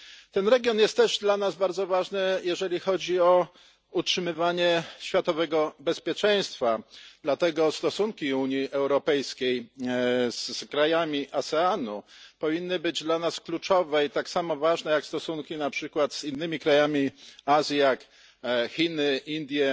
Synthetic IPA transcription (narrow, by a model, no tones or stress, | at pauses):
t̪ɛnɾɛɡʲjɔnjɛst̪ːɛʐd̪lanazbaɾd̪zɔvaʐnɘjɛʐɛlʲixɔd͡ʑiɔ | utʂɘmɘvaɲɛɕfʲjat̪ɔvɛɡɔbɛspʲjɛt͡ʂɛ̃j̃st̪fad̪lat̪ɛɡɔst̪ɔsuŋkʲiuɲjiʔɛwɾɔpɛjskʲej | zkɾajamʲiʔasɛanupɔvʲinːɘbɘd͡ʑd̪lanasklut͡ʂɔvɛjt̪aksamɔvaʐnɛjakst̪ɔsuŋkʲinapʂɘkwat̪z̥inːɘmʲikɾajamʲiazʲjijak | xʲinɘʔind̪ʲjɛ